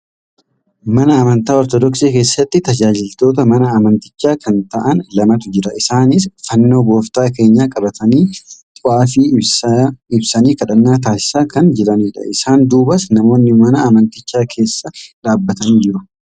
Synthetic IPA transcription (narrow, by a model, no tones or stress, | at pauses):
mɐnɐːmɐnt̪aːɔɾt̪ɔd̪ɔksiːke̞ːsːɐt̪ːɪt̪ɐd͡ʒaːd͡ʒɪlt̪o̞ːt̪̬ɐmɐnɐːmɐnt̪ɪ̥t͡ʃːaːkʰɐnt̪ɐʔɐnlɐmɐt̪ʊd͡ʒɪɾɐʔɪsaːnɪsfɐnːo̞ːbo̞ːft̪aːke̞ːɲːaːkʼɐbɐt̪ɐniːt̪ʼʊʔaːfiː | ɪbsɐniːkɐᶑɐnːaːt̪̬aːsɪ̥saːkʰɐnd͡ʒɪɾɐniːᶑɐ̰ʔɪsaːnd̪uːbɐsnɐmo̞ːnːɪmɐnɐmɐnt̪ɪt͡ʃːaːkʰe̞ːsːɐᶑaːbːɐt̪ɐniːd͡ʒɪɾʊ